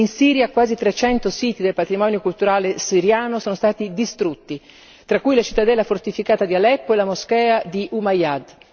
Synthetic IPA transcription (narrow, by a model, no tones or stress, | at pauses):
insiːɾjakwaːzit̪ɾet͡ʃɛnt̪osiːt̪id̪elpat̪ɾimɔːnjokult̪uɾaːlesiɾjaːnosoːnost̪aːt̪id̪ist̪ɾut̪ːi | t̪ɾakːujlat͡ʃit̪ːad̪ɛlːafort̪ifikaːt̪ad̪ialɛpːoelamoskɛːad̪iʔumajad̪